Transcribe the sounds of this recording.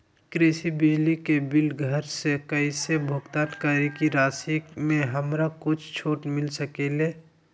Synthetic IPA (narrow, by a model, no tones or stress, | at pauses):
kɾesibɪd͡ʒlikebɪlɡʱəɾsekəisebʱʊɡt̪aːnkəɾikiɾaːsikmẽɦəmɾakʊt͡ʃʰt͡ʃʰoːʈmɪlsəkele